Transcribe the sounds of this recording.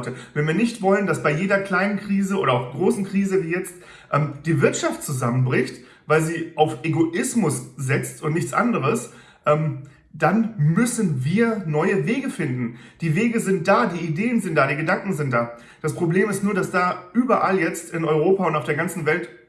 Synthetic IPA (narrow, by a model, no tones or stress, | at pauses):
təvɛnviːɐnɪçtv̥ɔləndasb̥aɪjeːdɐkl̥aɪnənkʁ̥iːzəʔo̰ːɾɐaʊfɡ̥ʁoːsn̩kʁ̥iːzəviːjɛt͡st | ʔɛːmd̥iːvɪɐtʃaft̚t͡suzamənbʁɪçt | vaɪlziːʔaʊfʔeɡoʔɪsmʊszɪt͡stʊntnɪçt͡sʔa̰ndəʁəs | ʔɛːm | d̥anmʏsn̩viːɐnɔʏəveːɡəfɪndn̩d̥iːveːɡəzɪnt̚d̥aːdiːideːənzɪnt̚d̥aːdiːɡədaŋkŋ̩zɪnt̚d̥aː | d̥aspʁ̥obleːmɪstnuːɐɾasd̥aːʔyːbɐʔaljɛt͡stɪnɔʏʁoːpaʊntaʊfdeːɐɡant͡sn̩vɛlt